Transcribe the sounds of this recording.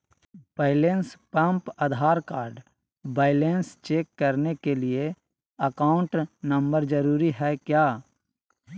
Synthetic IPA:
b̥aɪlenspə̃mpəd̪ʱaːɾkaːɾɖ | baːɪleːnst͡ʃeːkːəɾnekelie | əkaːʊ̃ɳʈnə̃mbəɾd͡ʒəɾuːɾiɦɛkjaː

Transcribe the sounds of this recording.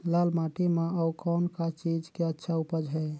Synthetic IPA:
lalmaʈimeəukɔːnkat͡ʃid͡ʒkeətːʃʰaupəd͡ʒɦɛ

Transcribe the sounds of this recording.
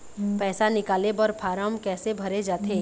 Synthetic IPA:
pɛːsanɪkaːlebəɾpʰaːɾamkɛːsebʱɐɾed͡ʒaːt̪ʰeː

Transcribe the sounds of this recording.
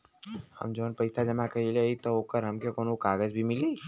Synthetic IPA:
hɐ̰md͡ʒoːnpɐɪtʰad͡ʒɐmakɐileit̪oɦoːkəɾɦɐmkekoːnokaːɡəzbʱimɪleː

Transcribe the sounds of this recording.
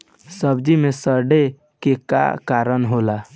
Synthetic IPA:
səbd͡ʒimesəɾɖe | keka̰kaɾənɦola

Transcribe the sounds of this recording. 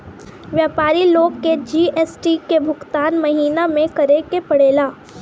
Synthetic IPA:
ʋjaːpaːɾiloːɡ̚ked͡ʒiːɛːsʈikebʱʊkt̪aːnmɐɦiːnamẽkɐɾekepɐɽeːlaː

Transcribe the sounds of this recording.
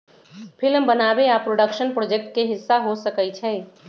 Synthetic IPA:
pʰɪlmbənaːbeapɾoːɖəkʃənpɾoːd͡ʒek̚ʈ̚keɦɪsːaɦosəkət͡ʃʰɛː

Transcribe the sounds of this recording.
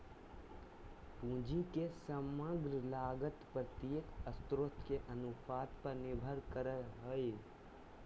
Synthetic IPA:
pũːd͡ʒʱikesəməɡɾəlaɡət̪pɾət̪əkəst̪ɾot̪ʰkeʔənupʰaːt̪pəɾnɪbʱəɾkəɾəɦoj

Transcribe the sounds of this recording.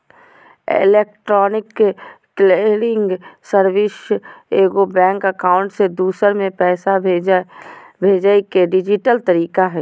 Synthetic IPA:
ɪ̰lekʈɾɔːnɪkː | leɾɪ̃ŋɡsəɾwɪseːɡobɛ̃ːŋkəkaːʊ̃ɳʈsed̪uːsəɾmẽpɛːsa | bʱeːd͡ʒaekeɖɪd͡ʒɪʈəlt̪əɾiːkaɦɛː

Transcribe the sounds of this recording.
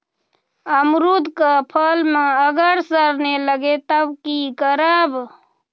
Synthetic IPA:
əmɾud̪ʱkapʰəlmeəɡəɾsəɾneləɡet̪əbkikəɾab

